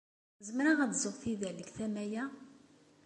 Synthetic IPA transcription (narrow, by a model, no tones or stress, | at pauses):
zəmɾaʁæd̪zʊʁθiðælːəɡθæmæjæ